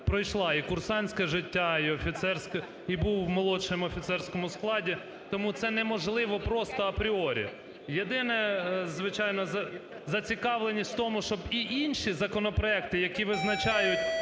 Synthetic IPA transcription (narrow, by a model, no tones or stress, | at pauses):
pɾɔjʃlˠɑikʊrsɑnʲsʲkɐʒɪtʲːaiɔfʲit̪sɛrsʲk | ibuwmɔlˠɔt͡ʃemɔfʲit̪sɛrsʲkɔmʊsklˠɑdʲi | t̪ɔmut̪sɛnɛmɔʒlˠɪʋɔpɾɔst̪ɔɐpɾʲɪɔɾʲḭ | jed̪ɪnɛzʋɪt͡ʃɑjnɔɐ | zɐt͡sʲikɑʋlˠenʲisʲt̪ʲft̪ɔmʊʃt͡ʃɔbiʔinʲʃizɐkɔnɔpɾɔɛk̚t̪ɪjɐkʲiʋɪznɐt͡ʃɑjʊtʲ